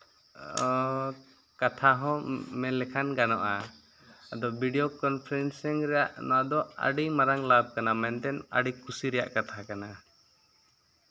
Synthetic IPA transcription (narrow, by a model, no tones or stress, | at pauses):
kat̪ʰaɦɔ̃mɛlɛkʰanɡanɔ̰ʔaː | d̪ɔbʱiɖiokɔnpʰɛɾɛnsɛŋɾɛjaʔnɔwad̪ɔa̰ɖimaɾaŋlab̚kanamɛnt̪ɛna̰ɖikʰusiɾɛja̰ʔkat̪ʰakana